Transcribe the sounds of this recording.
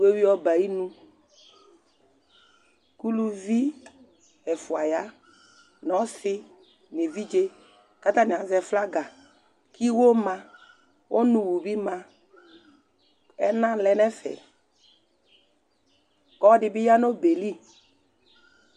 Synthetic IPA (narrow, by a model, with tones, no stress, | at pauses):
we˦wi˦ɔ˦ba˨ji˦nũ˦ | ku˦lu˦vi˦ | ɛ˨fʊ˨a˨ja˦ | nɔ˨˦sɪ˦ | ne˨vi˦d͡ʒe˦ | ka˦t̪a˦nɪ˨a˨zɛ˨fla˦ɡa˨ | ki˦wo˦mã˧ | ʔo˦nũ˨wu˨bi˦mã˧ | ɛ˦nã˦lɛ˦nɛ˦fɛ̰˨ | kɔ˦dɪ˨bɪ˦ja˦no˦be˨li˦˨